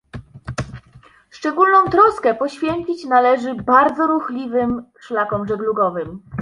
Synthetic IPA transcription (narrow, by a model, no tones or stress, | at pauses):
ʂt͡ʂɛɡulnɔ̃w̃t̪ɾɔskɛpɔɕfʲjɛnt͡ɕit͡ɕnalɛʐɘbaɾd̪zɔɾuxlʲivɘmʂlakɔmʐɛɡluɡɔvɘm